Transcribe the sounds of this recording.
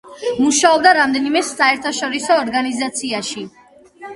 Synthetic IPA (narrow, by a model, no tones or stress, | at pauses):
muʃaɔb̚d̪aɾamd̪ɛnimɛsaɛɾt̪ʰaʃɔɾisɔːɾɡanizat̪sʰiaʃi